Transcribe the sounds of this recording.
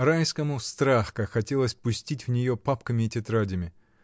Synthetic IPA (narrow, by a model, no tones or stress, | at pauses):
rajskəmʊst̪ɾaxkɐxɐtʲelˠəsʲpʊsʲtʲitʲvnʲɪjo̞papkəmʲɪːtʲɪt̪ɾadʲɪmʲɪ